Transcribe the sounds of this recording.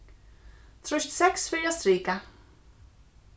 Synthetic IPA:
t̪ʰɾœɥst̪sɛksfɪɾjast̪ɾiːka

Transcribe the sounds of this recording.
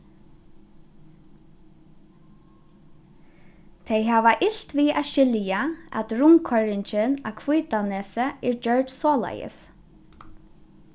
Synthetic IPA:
t̪ʰejɦaːʋaʔɪɬt̪viːʔa̰ʃɪljaa̰t̪ɾʊŋkʰɔɹɪɲt͡ʃɪna̰kʰvujt̪anɛːsəɛɹd͡ʒœɹt̪sɔːla̰jə̰s

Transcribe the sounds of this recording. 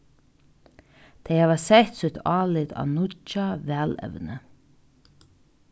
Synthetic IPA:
t̪ʰɛɪhaːvasɛht̪sut̪ʰɑːlɪt̪a̰ːnʊt͡ʃaʋɛːlɛ̰ʋnə

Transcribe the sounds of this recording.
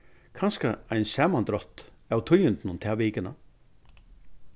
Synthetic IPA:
kʰanskaajnsaːmant̪ɾɔht̪awt̪ʰʊjʏnt̪nʊnt̪ʰaʋeːkɪna

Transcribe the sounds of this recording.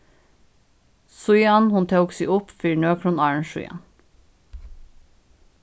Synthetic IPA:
sujɑnhʊnt̪ʰɑksḭʔʊpfiːɳøːkʰɾuːnɑːɹɳʃʊ̰jɑ̰n

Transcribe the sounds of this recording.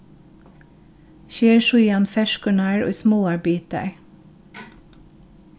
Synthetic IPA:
ʃeːɹʃʊjɑnfɛʃkʉɳæːɹo̰ːsmoːɑbiːt̪æ̰ɹ

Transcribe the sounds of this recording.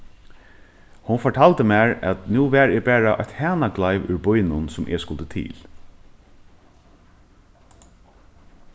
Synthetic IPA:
hʊnfɔʈʰɑːlt̪əmæːɹæt̪nuːʋæːɹebæːɹaʔɔ̰t̪hæːnaɡlɑɪʋʉ̰ɹbʊjnʊnsʊmʔɛ̰skʊlt̪ət̪ʰḭːl

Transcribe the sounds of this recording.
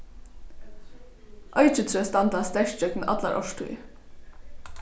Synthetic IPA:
ʔœʏt͡ʃət̪ʰɾøːst̪ɑnd̪ɑst̪ɛʃt͡ʃœkn̩ʔɑ̰t̪lɑ̰ʔɔ̰ʃtʰṵ

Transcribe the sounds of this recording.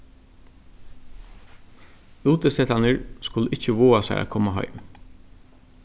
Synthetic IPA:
uːt̪əsɛt̪anəɹskʊləɪt͡ʃəʋoːasa̰ɪʔa̰kʰɔːmaɦœ̰ʏm

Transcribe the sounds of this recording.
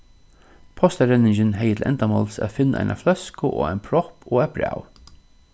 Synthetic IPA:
pʰɔst̪æɾɛnɪŋd͡ʒənɦɛjət̪ʰl̩ʔɛ̰nt̪amɔlsæ̰fɪnːəʔæ̰ɪnʔa̰flœskəʔo̰ːæɪnpʰɾɔpoːæbɹa̰w

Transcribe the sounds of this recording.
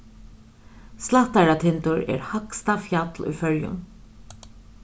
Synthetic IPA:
slat̪æɾat̪ʰɪnt̪ʊɹɛ̰ːɹhakst̪afjat̪lṵjfœljʊ̰ŋ

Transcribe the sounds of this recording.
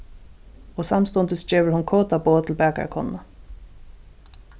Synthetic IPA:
ɔsamst̪ɔnt̪ɪsd͡ʒeːʋəɾhʊnkʰoːt̪aboːt̪ʰɪlbɛːka̰ɾkʰɔ̰nːa

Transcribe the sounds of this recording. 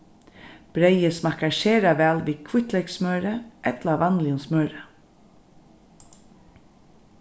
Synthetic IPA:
b̥ɾeɪəsmɑkɑʃeːɾɑʋæːlʋiːkʰʋʊt̪lɛɪksmœːɾəʔɛt̪lɑʋɑnlɪʊnsmœːɾə

